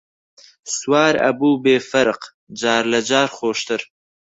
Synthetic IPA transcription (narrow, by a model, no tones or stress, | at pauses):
swɑːɾa̰buːbeːfaɾq | d͡ʒɑːɾlad͡ʒɑːɾxoːʃt̪əɾ